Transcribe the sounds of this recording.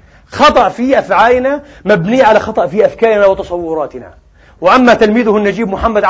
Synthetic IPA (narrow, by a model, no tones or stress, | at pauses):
xɑt̪ˤɑʔfiʔafʕaːlna | mabniːʕalaxɑt̪ˤɑʔfiʔafkaːɾnawɪt̪ɑsˤɑwːʊɾˤɑːt̪ɪna̰ | wɪʔamːat̪ɪlmiːðʊhnːad͡ʒiːbmʊħamːad̪ʕ